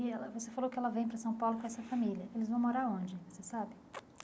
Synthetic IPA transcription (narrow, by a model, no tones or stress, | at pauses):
ɪɛlɐvosefalowkɪɛlɐvẽj̃pɾɐsɐ̃w̃pawlʊkõɛsɐfamiliɐelɪzṽw̃moɾaɾõnd͡ʒɪvosesabɪ